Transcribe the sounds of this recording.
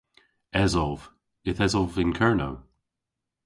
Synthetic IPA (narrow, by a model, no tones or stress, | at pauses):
ɛzɔlv̥ | ɪθɛzɔlvɪ̃nkʰɜɹna̰w